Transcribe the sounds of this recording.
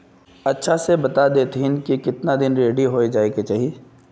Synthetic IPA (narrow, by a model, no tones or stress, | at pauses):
ɐtːʃʰasebɐt̪ad̪eːt̪ɦɪnkikɪt̪nad̪ɪnɾeːɽiɦoːed͡ʒaːeket͡ʃaːɦieː